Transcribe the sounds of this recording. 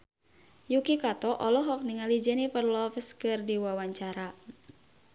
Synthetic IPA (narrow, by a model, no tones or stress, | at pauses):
jukikat̪ɔʔɔlɔɦɔk̚niŋalid͡ʒənipərlɔfəskɨrdiwawaɲt͡ʃaɾa